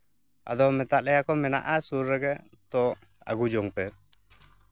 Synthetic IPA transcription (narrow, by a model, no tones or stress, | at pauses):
a̰d̪ɔmɛt̪aʔlɛjakɔmɛna̰ʔasuɾːɛɡɛʔ | t̪ɔʔ | a̰ɡud͡ʒɔŋpɛ